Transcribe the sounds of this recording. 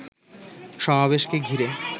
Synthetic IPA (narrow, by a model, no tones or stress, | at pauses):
ʃɔmabeʃkeɡʱiɾe